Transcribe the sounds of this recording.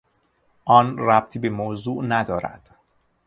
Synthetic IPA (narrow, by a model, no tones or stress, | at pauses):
ʔɒːnɾæb̚t̪ʰiːbemozuːʔnæd̪ɒːɾæ̰d̪̥